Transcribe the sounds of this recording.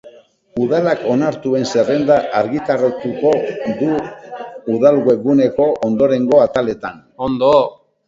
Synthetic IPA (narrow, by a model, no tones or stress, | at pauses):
uðalako̞naɾt̪ue̞nse̞re̞nd̪aʔaɾɣit̪arot̪uko̞ðuː | ðalɣwe̞ɣune̞ko̞ʔond̪o̞ɾe̞ŋɡo̞at̪ale̞t̪an | ond̪o